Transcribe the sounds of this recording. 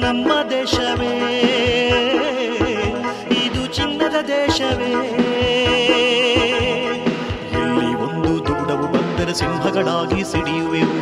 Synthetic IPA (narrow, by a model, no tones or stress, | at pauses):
nɐmːɐd̪ɛːʃɐʋeː | id̪ut͡ʃinːɐd̪ɐd̪ɛːʃɐʋeː | ɦeɭːiond̪ud̪uɡɽɐʋubɐnd̪ɐɾɐsimbʱɐɡɐɭaːɡisiɽijuʋe